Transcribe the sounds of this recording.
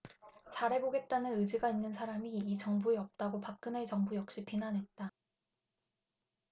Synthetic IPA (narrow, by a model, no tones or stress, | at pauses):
t͡ɕaɾɦe̞boɡe̞t̚t͈anɯnɯd͡ʑiɡainːɯnsʰaɾamiːt͡ɕʌŋbueʌp̚t͈aɡopak̚k͈ɯnet͡ɕʌŋbujʌk̚ɕ͈ipʰinanɦe̞t̚t͈a